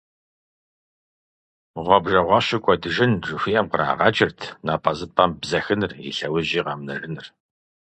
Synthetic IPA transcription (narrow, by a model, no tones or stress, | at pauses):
ʁʷɔbʒɐʁʷɑɕɪkʷʼɔdɨʒɪnʐɨxʷijɛmqəɾa̰ːʁɑt͡ʃʼɪrtʰnaːpʼɐzɨpʰʼɐmbzɐxɨnɨrḭɬɐwɐʑiːʁɑːmnɐ̰rɨnɨr